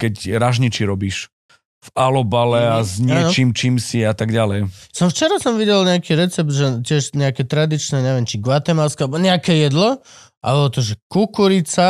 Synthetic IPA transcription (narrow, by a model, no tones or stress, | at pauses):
kɛcɾaʒɲit͡ʃiɾɔbiːʃ | valɔbalɛazɲɪaɛnɔt͡ʃimt͡ʃiːmsiat̪aɡɟalɛjsɔmft͡ʃɛɾasɔmʋiɟɛlɲɛakiɾɛt͡sɛb̚d̪ʒɛcɪɛʃɲɛakɛt̪ɾad̪it͡ʃnɛɲɛʋɪjɛmt͡ʃiɡʋat̪ɛmaʊskɛalɛbɔɲɛakɛjɛd̪lɔ | ʔa̰bɔlɔt̪ɔʒɛkukuɾit͡sa